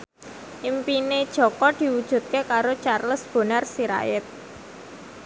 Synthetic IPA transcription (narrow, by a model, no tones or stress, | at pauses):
ʔimpined̥ʒ̥ɔ̤kɔd̪̥i̤wud̥ʒ̥ṳt̪̚kekaɾot͡ʃarləsb̥o̤nərsiɾa̰ɪt̪̚